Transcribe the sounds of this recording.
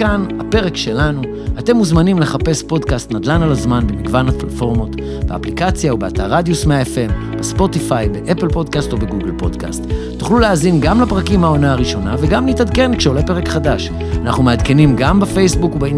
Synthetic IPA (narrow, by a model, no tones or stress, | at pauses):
kanhape̞ʁe̞kʃe̞lanu | ate̞muzmanimle̞χape̞spo̞dkast̪nad̪lanalazmanbemiɡvanatlatfo̞ʁmo̞t | bea̰plikat͡sjaubeataʁad̪jusmeaefe̞m | b̥espo̞tifajbe̞ʔeplpo̞dkasto̞be̞ɡuɡlpo̞dka̰st̪ | tːu̥χluleazinɡamlapʁakimhao̞naaʁiʃo̞na̰veɡamlitad̪ke̞nlikʃelepe̞ʁ̞e̞kχadaʃ | anaχnumead̪ke̞nimɡambefe̞jsbukubei